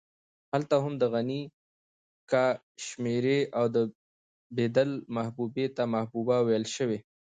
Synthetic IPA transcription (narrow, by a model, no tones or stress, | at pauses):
halt̪aɦʊmd̪əɣani | ka | ʃmeɾeawd̪ə | bed̪əlmahbubet̪amahbubawejlʃəwe